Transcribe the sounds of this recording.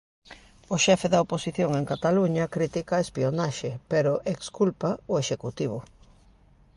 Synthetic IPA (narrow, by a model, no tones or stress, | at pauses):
oʃɛfeðɐoposiθjoŋeŋkat̪aluɲɐkɾit̪ikaespionaʃepeɾʊʔekskulpaʊeʃekut̪iβ̞ʊ